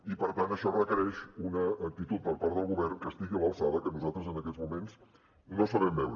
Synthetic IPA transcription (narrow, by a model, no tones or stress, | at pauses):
ipəɾt̪anəʃɔrəkəɾɛʃunəːk̚t̪it̪ut̪̚pəɾpaɾt̪əlˠɣuβɛrŋkəst̪iɣiəβəlˠsaðəkənuzalˠt̪ɾəzənəkɛd͡zmumens | nosəβɛmbɛwɾ